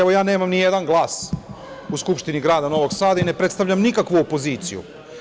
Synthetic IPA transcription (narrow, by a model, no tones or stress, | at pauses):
eʋo̞jaːne̞ːmamnije̞d̪anɡlˠaːs | uskupʃt̪iniɡɾaːd̪ano̞ʋo̞ɡsaːd̪aine̞pɾe̞t̪st̪aʋʎamnikakʋuopo̞ziːt̪sijṵ